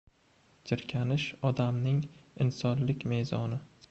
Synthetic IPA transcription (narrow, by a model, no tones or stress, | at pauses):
d͡ʒɪɾkʲʰanɪʃɒd̪amnɪŋɪnsɒnlɪkʲme̞zɒnɪ